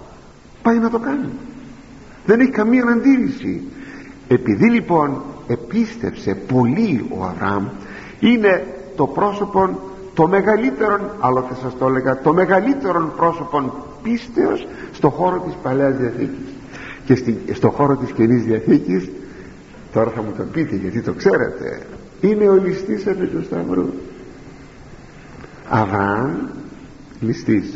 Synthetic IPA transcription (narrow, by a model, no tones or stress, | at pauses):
pɐjnɐt̪o̞kɐni | ðe̞neçikɐmiɐɐnɐnd̪iɾisḭ | e̞piðilipo̞ne̞pist̪e̞̰pse̞po̞lio̞̰ɐ̰vɾɐ̰ɐm | ine̞t̪o̞pɾo̞sopon | t̪o̞me̞ɣɐlit̪e̞ɾo̞nɐloθesɐst̪o̞le̞ɣɐt̪o̞me̞ɣɐlit̪e̞ɾo̞npɾo̞so̞po̞n | pist̪e̞o̞sːt̪o̞xo̞ɾo̞t̪ispɐle̞ɐzðiɐθḭcis | cesist̪o̞xo̞ɾo̞t̪iscenizðiɐθicis | t̪o̞ɾɐθɐmut̪o̞pit̪e̞ʝɐt̪it̪o̞kse̞ɾe̞̰t̪e̞̰ | ine̞o̞list̪isepit̪ust̪ɐvɾṵs | ɐ̰vɾɐn | list̪is